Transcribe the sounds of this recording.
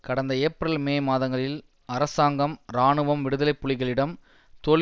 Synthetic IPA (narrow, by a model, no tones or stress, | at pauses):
kɐɽɐnd̪ɐeːpːɾɐlmeːmaːðɐŋɡɐɭɪl | ɐɾɐsaːŋɡɐmɾaːɳɯʋɐmʋɪɽɯðɐlɐɪpːʊɭɪɣɐɭɪɽɐm | t̪ɔɭ